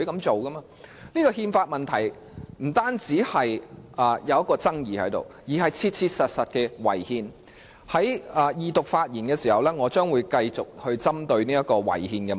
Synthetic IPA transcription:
jkɐ˨˥mt͡so˨wkɐ˥maː˧ | niː˥kɔː˧hiː˧nfaː˧t̚mɐ˨nt̪ʰɐ˨˩j | m̩˨˩t̪aː˥nt͡siː˨˥hɐ˨jʔɐ˨jɐ˨˧wjɐ˥kɔː˧t͡sɐ˥ŋjiː˨hɐ̰˨˥jt̪o̰˨˩wjiː˨˩ɦɐ˨jt͡sʰiː˧t̚t͡sʰiː˧t̚sɐ˨t̚sɐ˨t̚kɛ˧wɐ̰˨˩jhiː˧n | hɐ˨˥jɐː˨˧jiː˨t̪ʊ˨k̚faː˧t̚jiː˨˩nkɛ˧siː˨˩hɐ˨wlɛː˥ŋɔː˨˧t͡ʃœː˥ŋwuː˨˧jkɐ˧jt͡sʊ˨k̚hɵ˧ɥt͡sɐ˥mt̪ɵ˧ɥniː˥jɐ˥t̚kɔː˧wɐ̰˨˩jhiː˧nkɛː˧

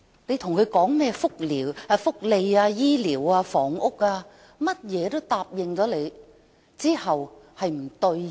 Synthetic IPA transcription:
ne˨˧jt̪ʰʊ˨˩ŋkʰɵ˨˧ɥkɔː˨˥ŋmɛː˥fʊ˥k̚liː˨˩wfʊ˥k̚le˧jaː˧jiː˥liː˨˩waː˧fɔː˨˥ŋʊ˥k̚aː˧ | mɐ˥t̚jɛː˨˧t̪o˥wt̪aː˧p̚jɪ˨ŋt͡ʃɔː˨˥le˨˧j | t͡siː˥hɐ˨whɐ˨jm̩˨˩t̪ɵ˧ɥ

